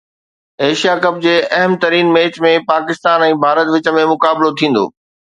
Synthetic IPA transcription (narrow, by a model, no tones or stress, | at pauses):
eːʃijakɐp̚d͡ʑeːʔɐɦəmt̪ɐɾiːnmeːt͡ɕmẽpaːkɪst̪aːnɛ̃ːbʱaːɾət̪ʋɪt͡ɕə̆mẽmʊkaːblot̪ʰĩːn̆d̪o̰ː